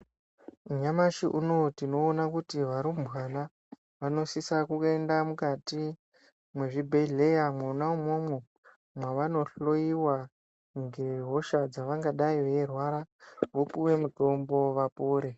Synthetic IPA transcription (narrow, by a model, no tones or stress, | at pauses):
uɲamaʃiʔuno̞tino̞ːnakutiʋaɾumwana | ʋano̞sisakukendamukati | mwe̞ʐibʱeɮe̞jamwanaumo̞mwo | mwaʋano̞ɬo̞iwa | ŋɡe̞ɦo̞ʃad͡zaʋaŋɡaɗaiʋe̞rwaɾaʋopuwe̞muto̞mbo̞ʋapoːɾe̞